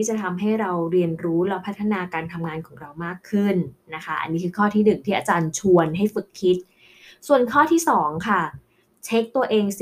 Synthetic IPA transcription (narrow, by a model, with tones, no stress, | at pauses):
iː˥˩t͡ɕa˨˩t̪ʰa˧mɦa˥˩jɾa˧wɾi˧ənɾuː˦˥lɔ˦˧˩pʰa˦˥t̪ʰːa˧naː˧kaː˧nt̪ʰa˧mŋaː˧nkʰɔː˩˦ŋɾa˧wmaː˥˩kʰːɯ˥˩nna˦˥kʰa˦˥ʔa̰˧nːiː˦˥kʰɯː˧kʰɔː˥˩t̪ʰiː˥˩dɯ˨˩ŋ̚t̪ʰiː˥˩ʔaː˧t͡ɕaː˧nt͡ɕʰu˧ənɦa˥˩jfɯ˨˩kʰːi˦˥t̪̚ | su˨˩ənkʰɔː˥˩t̪ʰiː˥˩sɔː˩˦ŋkʰa˥˩ | t͡ɕʰe˦˥k̚t̪u˧ɐʔeː˧ŋs